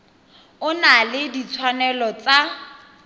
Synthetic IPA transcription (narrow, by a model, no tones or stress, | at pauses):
ʊnalɪdit͡sʰwanɛlɔt͡sa